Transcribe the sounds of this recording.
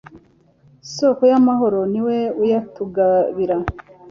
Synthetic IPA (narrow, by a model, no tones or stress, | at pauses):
sokojamaɦo̞ɾo̞niwe̞ujatuɡaβiɾa